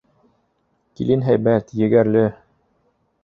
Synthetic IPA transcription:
kḭlinɦæjbæt̪jɘ̆ɡæɾlɘ

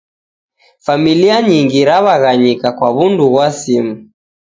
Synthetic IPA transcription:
familiaɲiŋɡiɾaβaɣaɲikakwaβunduɣwasimu

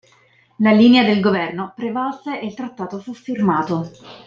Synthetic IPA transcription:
laliːnead̪elɡovɛrnopɾevasːeʔelt̪ɾat̪ːaːt̪ofufːirmaːt̪o

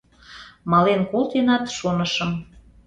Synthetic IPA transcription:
mɑlenkolt̪enɑt̪ʃonəʃəm

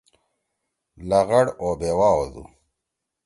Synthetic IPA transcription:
lɐɣɐɽobeːwaːozṵ

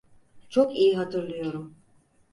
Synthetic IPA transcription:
t͡ʃʰokijiɦat̪ʰɯɾlˠɯjo̞ɾum

